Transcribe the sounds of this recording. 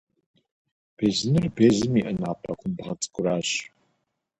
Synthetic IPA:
b̥ʰeːzɨnɨrbeːzɨmiːʔɐnaːpʼɐ̰kʷʰʊmbʁɐt͡sʼɨ̥kʷʼʊɾaːɕ

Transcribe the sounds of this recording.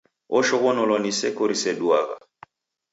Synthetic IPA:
ɔʃɔɣɔnɔlɔnisɛkɔɾisɛduaɣa̰

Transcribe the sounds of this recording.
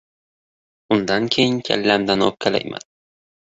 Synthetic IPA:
ʊnd̪ankʲʰejɪŋkʲʰa̰lːamd̪anɒ̰p̚kʲʰala̰jma̰d̪ɪ

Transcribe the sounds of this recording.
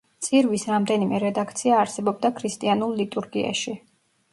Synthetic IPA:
t̪sʼiɾvisɾamd̪ɛnimɛɾɛd̪akʰt̪sʰiaːɾsɛbɔb̚d̪akʰɾist̪ʼianulˠlit̪ʼuɾɡia̰ʃi

